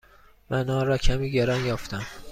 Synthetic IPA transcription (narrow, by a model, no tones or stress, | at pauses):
mænɒːɾɒːcʰæmiːɟeɾɒːnjɒːft̪ʰæm